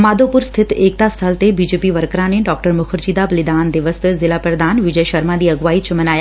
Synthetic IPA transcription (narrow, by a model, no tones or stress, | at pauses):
maːd̪opʊɾst̪ʰɪt̪eːk̚t̪ast̪ʰəlt̪ebiːd͡ʒeːpiʋəɾkɾãneɖɔk̚ʈəɾmʊkʰəɾd͡ʒiːd̪abəlɪd̪aːnd̪ɪʋəszɪlaːpɾəd̪aːnʋɪd͡ʒəjʃəɾmãd̪iːəɡʋaːit͡ʃʰəmɐnaːja